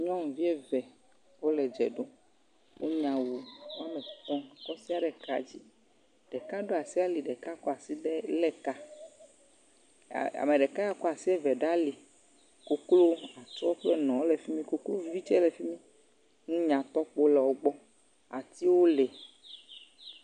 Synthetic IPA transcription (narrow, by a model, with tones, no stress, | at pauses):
ɲɔ̃˦ŋ̩̃˨vi˦e˦vɛ˨ | wo˦lɛ˨d͡ʒɛ̰˨ɖo˦ | wo˦ɲã˨wu˨wo˦a˦mẽ˨kɔ̃˦˨kɔ˦si˦a˨ɖɛ˨ka̰˦d͡ʑi˦ | ɖ̥ɛ˨ka˦ɖo˦a˨si˦a˦li˨ɖɛ˨ka˦kɔ˦a˨si˦ɖɛ˦lɛ˦ka˦˨ | a̰˨me˨ɖɛ˨ka˦a˦kɔ˦a˨si˦ɛ˦vɛ˨ɖa˦li˨ | ko˦klo˦a˨tɔ˦k͡plɛ˦nɔ̃˨wo˦le˨fi˦mĩ˦ko˦klo˦vi˦t͡ʃɛ˦le˨fi˦mĩ˦ | nũ˦ɲã˨t̪ɔ˦k͡po˦lɛ˨wo˦ɡ͡bɔ˦ | a̰˨t̪i˦wo˦le˨